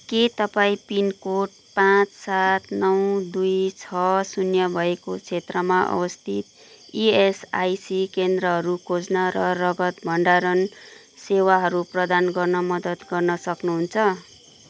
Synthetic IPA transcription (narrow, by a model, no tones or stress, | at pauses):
ket̪ʌpaĩpinkoʈ̚ | pãt͡ssat̪ʰnʌwd̪ujt͡sʰʌsunjʌbʱʌekot͡sʰet̪rʌmaʔʌ̰bʌst̪ʰit̪ | iesajsikend̪rʌɦʌɾukʰod͡znʌɾʌrʌɡʌt̪bʱʌɳɖaɾʌn | sewaɦʌɾuprʌd̪anɡʌrnʌmʌd̪ʌt̪ɡʌrnʌsʌknuɦunt͡sʰʌ